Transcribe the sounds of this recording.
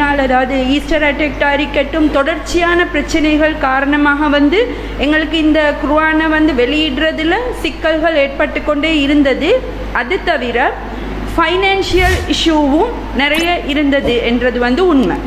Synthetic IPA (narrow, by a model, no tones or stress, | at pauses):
aːlɐðaːʋɐðɯiːsʈɐɾɐʈːek̚ʈaːɾɪkːɐʈːɯmt̪ɔɽɐɾt͡ʃːɪjaːnɐpɪɾɐt͡ʃːɪnɐɪɣɐɭkaːɾɐɳɐmaːɣɐʋɐnd̪ɯ | ɛŋɡɐɭɯkːɯɪnd̪ɐkɾʊʋaːnɐʋɐnd̪ɯʋɛɭɪjɪɽrɐðɪlɐsɪkːɐlɣɐɭeːʈ̚pɐʈːɯkːɔɳɖeːɪɾɯnd̪ɐðɯ | ɐðɯt̪ːɐʋɪɾɐ | fɐɪnaːnʂɪjɐlɪʂuːʋɯm | nɪrɐjɐʔɪɾɯnd̪ɐðɯɛndrɐðɯʋɐnd̪ɯʊɳmɐ